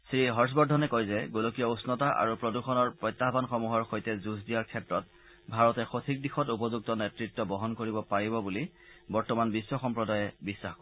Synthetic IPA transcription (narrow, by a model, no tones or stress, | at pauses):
sɹiɦɔɹs̬bɔdʱɔnɛkɔjzɛɡolokijɔusnɔtaʔa̰ɹupɹɔduxɔnɔɹpɹɔjtːaɦbanxɔmuɦɔɹxojtɛzuzdijaɹkʰɛtɹɔt̚ | bʱaɹɔtɛxotʰik̚dixɔtupɔzuk̚tɔnɛtɹitːɔbɔɦɔnkoɹibɔpaɹibɔbuli | bɔɹtɔmanbisːɔxɔmpɹɔdajɛbisːaxkɔ